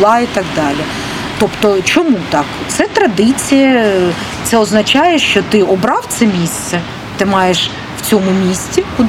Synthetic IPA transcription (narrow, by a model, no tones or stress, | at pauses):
lˠɑit̪ɑɡd̪ɑlʲi | t̪ɔpt̪ɔt͡ʃɔmut̪ɑkt̪sɛt̪ɾɐd̪ɪt͡sʲijɐ | t̪sɛɔznɐt͡ʃɑjɛʃt͡ʃɔt̪ɪɔbɾɑwt̪sɛmʲisʲt̪sɛ | t̪ɪmɑjeʃ | wt͡sʲɔmʊmʲisʲtʲikʊ